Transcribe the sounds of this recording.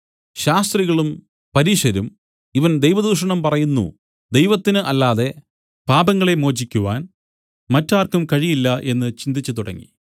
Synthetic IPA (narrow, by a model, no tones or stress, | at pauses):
ɕaːst̪riɣɐɭum | pɐɾiʂɐɾum | iʋɐnd̪ejʋɐd̪uːʂɐɳɐmpɐrɐjunːṵ | d̪e̞jʋɐt̪ːinɨʔɐlːaːðe̞ | paːbɐŋːɐɭe̞mo̞ːd͡ʑikʲːuʋaːn | mɐtːaːrkumkɐɻijilːɐʔe̞nːɨt͡ɕind̪it͡ɕːut̪uɽɐ̰ŋːḭ